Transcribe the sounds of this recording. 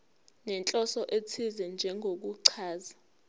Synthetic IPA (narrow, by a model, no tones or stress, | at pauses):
nɛnt͡ɬʼɔsɔʔet͡sʰizɛnd͡ʒʱɛŋʱok̬uǀʰaːza